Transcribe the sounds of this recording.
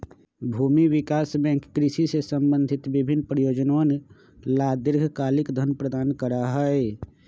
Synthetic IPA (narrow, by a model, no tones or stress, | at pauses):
bʱuːmiwɪkaːsbɛ̃ːŋkːɾɪʃisesə̃mbə̃nd̪ʱɪt̪bɪbʱɪnːpɾəjoːd͡ʒnon | laːd̪ɪɾɡʱkaːlɪkd̪ʱənpɾəd̪aːnkəɾaɦɛe